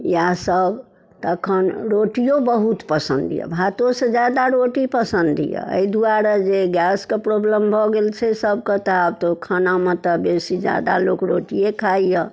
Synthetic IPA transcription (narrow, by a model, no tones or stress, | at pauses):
jasəb | t̪əkʰənɾoʈijobəɦut̪pəsənd̪ijə̰bʱat̪osẽd͡ʒad̪aɾoʈipəsənd̪ʱḭjə̰ə̰id̪uaɾad͡ʒeɡjaskepɾoblembʱɔɡelt͡ʃʰɛsəbket̪ɔabt̪okʰənamet̪əbesid͡ʒa̰d̪a̰lokɾoʈijekʰaijə